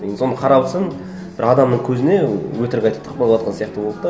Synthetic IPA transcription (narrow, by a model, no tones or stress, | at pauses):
jenso̞nəqʰɑɾɑbˠsən | b̥ɪɾɑd̪ɑmnəɴkʲʰɵzɪne̞wɵt̪ɪɾɡʲɑjt̪ɑ̥t̪ʰːəqpolˠwɑt̪̚qɑnsijɑqt̪əbo̞lˠpt̪ɑ